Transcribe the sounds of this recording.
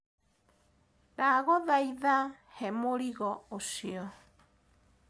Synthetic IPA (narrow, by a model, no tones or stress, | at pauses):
ðaɣɔðaiða | hɛmoɾiɣɔosiɔ